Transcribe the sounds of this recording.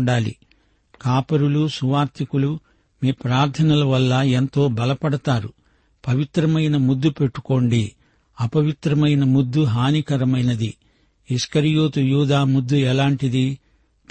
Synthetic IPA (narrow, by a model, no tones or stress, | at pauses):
ɳɖaːlḭ | kaːpɐɾulusuʋaːɾt̪ʰikulu | miːpɾaːɾt̪ʰɐnɐlɐʋɐlːɐent̪o̞ːbɐlɐpɐɽɐt̪aːɾu | pɐʋit̪ɾɐmɐjnɐmud̪ːupe̞ʈːu̥ko̞ːɳɖi | ɐpɐʋit̪ɾɐmɐjnɐmud̪ːuɦaːnikɐɾɐmɐjnɐd̪i | iskɐɾijoːt̪ujuːd̪aːmud̪ːuɛlaːɳʈid̪i